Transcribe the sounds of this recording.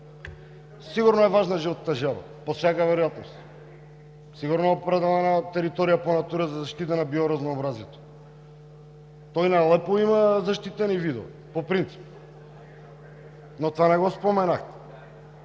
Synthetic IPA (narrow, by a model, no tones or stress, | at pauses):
siɡuɾnoɛvaʒnaʒiot̪t̪aʒɛla̰ | posɛkavɛɾojat̪nost̪ | siɡuɾnoɛopɾɛd̪ɛlɛnat̪ɛɾit̪ɔɾijaponat̪uɾəzazaʃt̪it̪anabioɾaznoːbɾazjɛt̪o̥ | t̪ɔjnajlˠɛpoimazaʃt̪it̪ɛnivid̪o̰vi | popɾint̪si̥p̚ | not̪vanɛɡospomɛnaxt̪ɛ